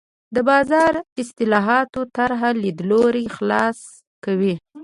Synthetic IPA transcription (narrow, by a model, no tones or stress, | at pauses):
d̪əbɑzɑɾɪst̪ɪlɑɦɑt̪ot̪aɾɦalid̪loɾixlɑs | kawi